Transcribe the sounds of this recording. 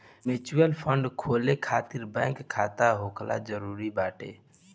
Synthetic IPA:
met͡ʃujəlpʰəɳɖkʰoːlekʰaːt̪iɾbɛ̃ŋkʰːat̪aɦokʰla̰d͡ʒəɾuːɾibaːʈḛ

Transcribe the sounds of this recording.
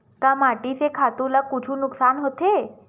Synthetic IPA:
kamaʈisekʰat̪ulakut͡ʃʰũnʊksanɦət̪ʰe

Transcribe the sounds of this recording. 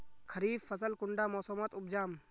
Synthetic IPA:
kʰɐɾiːffəsəlkʊɳɖaːmɔːsoːmət̪ʊb̚d͡ʒaːm

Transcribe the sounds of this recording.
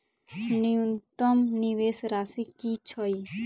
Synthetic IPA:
nijunt̪ɔmniʋeːsɾaːsikit͡ʃʰɔi

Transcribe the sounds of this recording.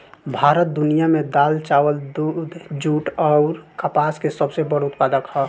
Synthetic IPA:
bʱaːɾət̪̚d̪unijamed̪aːlt͡ʃawəld̪ud̪d͡ʒuʈɔʊɾkəpaskesəbsebəɽʊt̪̚pad̪əkhɔ

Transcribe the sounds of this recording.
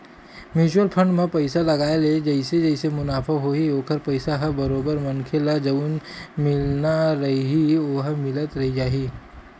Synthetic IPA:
mjuːt͡ʃuəlpʰə̃ɳɖmẽpɐɪsalɐɡaːeled͡ʒɐɪsed͡ʒɛɪsemʊnaːfʰaɦoioːkəɾpɐɪsaɦɐbɐɾoːbəɾmɐnkʰelad͡ʒɐunmɪlnaɾɐɦiɦiʊɦmɪlət̪ɾɐɦid͡ʒaːɦiː

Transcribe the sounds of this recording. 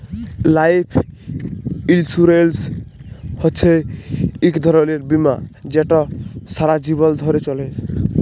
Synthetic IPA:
lajpʰ | ilsuɾels | hɔt͡ʃʰe | ikd̪ʱɔɾɔleɾbimad͡ʒeʈɔsaɾad͡ʒibɔld̪ʱɔɾet͡ʃɔle

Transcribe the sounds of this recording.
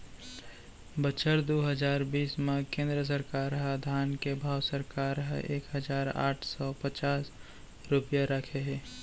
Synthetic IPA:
bət͡ʃʰəɾd̪oɦəd͡ʒaːɾbiːsmãkẽːnd̪ɾəs̬əɾkaːɾɦəd̪ʱaːnkebʱaːwsəɾkaːɾɦəʔḛːkɦəd͡ʒaːɾa̰ːʈʰsɔːpət͡ʃaːs | ɾʊpjaɾəkʰeɦɛː

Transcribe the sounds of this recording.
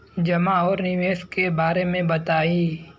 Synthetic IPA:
d͡ʒɐmaɔːɾnɪʋeːskebaːɾemẽbɐt̪aːiː

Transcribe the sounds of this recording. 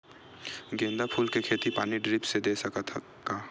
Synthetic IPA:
ɡẽːnd̪apʰuːlkekʰeːt̪ipaːniɖɾɪpsed̪eːsɐk̪ʰ | ka

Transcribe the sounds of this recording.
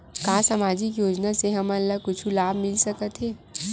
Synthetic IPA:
kaːsaːmaːd͡ʒɪkjoːd͡ʒnaseɦɐmɐlːaɡ̚kʊt͡ʃʰulaːbmɪlsɐkət̪ɦeː

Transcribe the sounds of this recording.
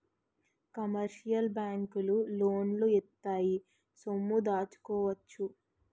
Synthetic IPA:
kɐmɐɾʃijɐlbjaːŋkululoːnloit̪ːaːji | somːud̪aːt͡ʃu̥kɔːʋɐt͡ʃːu

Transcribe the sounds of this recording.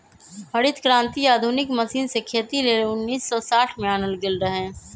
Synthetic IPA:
ɦəɽɪt̪kɾãːnt̪iaːd̪ʱʊnɪkməsiːnsekʰeːt̪ileːʊnːiːsːɔsaːʈʰmẽaːnəlɡɪlɾəɦẽː

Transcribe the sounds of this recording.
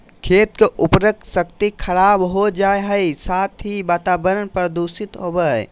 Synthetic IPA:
kʰet̪̚keʔʊpɾək̚sək̚t̪ikʰəɾabɦod͡ʒaeɦəjsat̪ʰɦibaːt̪abəɾənpɾəd̪usit̪ɦobəɦ

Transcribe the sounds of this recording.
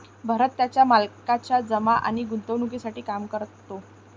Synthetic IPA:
bʱəɾət̪ːjat͡ɕjamalkat͡ɕad͡zəmaʔa̰ɽ̃iɡunt̪əʋnukisaʈiːkamkəɾt̪o

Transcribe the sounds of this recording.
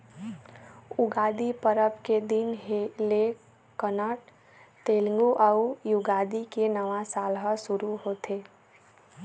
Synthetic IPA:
ʊɡaːd̪ipəɾəpked̪ɪnɦle | kːənəʈ | t̪eːlŋɡuʔaujʊɡaːd̪ikenəʋãsaːlɦəsʊɾuɦoːt̪eː

